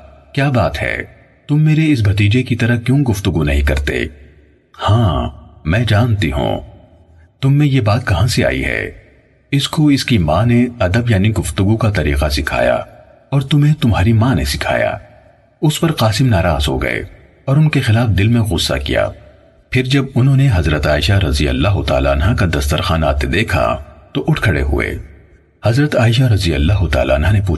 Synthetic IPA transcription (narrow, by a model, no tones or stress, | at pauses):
kjaːbaːt̪ɦɛ̰ː | t̪ʊmːeːɾeɪs̬bʱɐt̪̬iːd͡ʒekit̪ɐɾəkjõːɡʊft̪ʊɡunɐɦĩkɐ̰ɾt̪ḛː | hãːmɛ̃ːd͡ʒaːnt̪iɦṵ̃ː | t̪ʊmːẽjebaːt̪̚kɐɦãsea̰ːḭɦɛ̰ː | ɪskoɪskimãːneɐd̪əbjaːniɡʊft̪ʊɡukat̪ɐɾḭːqasɪkʰa̰ːja̰ | ɔːɾt̪ʊmɦẽt̪ʊmɦaːɾimãːnḛsɪkʰa̰ːja̰ː | ʊspɐɾqaːsɪmnaːɾaːzɦo̰ːɡɐ̰ḛ | ɔːɾʊnkexɪlaːfd̪ɪlmẽɣʊsːa̰kḭja̰ː | pʰɪɾd͡ʒɐbʊnɦõːneɦɐzɾət̪aːɪʃaɾɐzijə̰lːaːɦʊt̪a̰ːla̰ːnɦãkad̪ɐst̪əɾxaːna̰ːt̪ed̪eːkʰa̰t̪oʔʊʈʰkʰɐɽḛɦʊ̰ḛː | hɐzɾət̪aːɪʃ̬aɾɐzijə̰lːaːɦʊt̪a̰ːla̰ːnɦãnep̬uː